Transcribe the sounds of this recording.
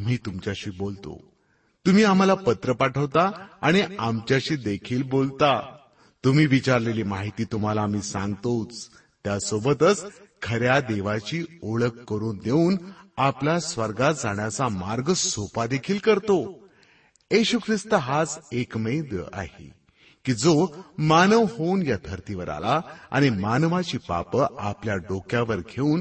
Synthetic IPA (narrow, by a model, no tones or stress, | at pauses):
m̤iːt̪umt͡ɕjaɕiːbolt̪o̰ | t̪um̤iːam̤alapət̪ɾəpaʈʰəʋt̪aaɽ̃iamt͡ɕjaɕiːd̪ekʰiːlbolt̪a | t̪um̤iːʋit͡ɕaɾleliːmaɦit̪iːt̪um̤alaːm̤iːsãŋɡt̪ot͡s | t̪jasobət̪ət͡skʰəɾjad̪eʋat͡ɕiːoɭəkːəɾuːnd̪euːnaplasʋəɾɡat̪d͡zaɳjat͡samaɾɡəssopad̪ekʰiːlkəɾt̪o | jeɕukʰɾist̪əɦad͡zekmed̪ə̰ʔa̰ɦḛ | kiːd͡zomanəʋhounjad̪ʱəɾt̪iʋəɾa̰laa̰ɽ̃imanʋat͡ɕiːpa̰pəapljaɖokjaʋəɾɡʰʱeuːn